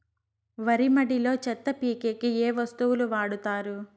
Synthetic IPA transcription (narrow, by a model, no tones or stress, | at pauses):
ʋɐɾimɐɽilo̞ːt͡ʃɛt̪ːɐpiːkeːkieːʋɐst̪uʋuluʋaːɽut̪aːɾu